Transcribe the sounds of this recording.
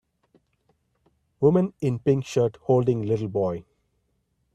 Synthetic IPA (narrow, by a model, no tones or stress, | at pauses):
ʋʊmə̃nɪ̃npɪ̃ŋkʃəɾʈhoːlɖɪ̃ŋlɪʈl̩bɔɪ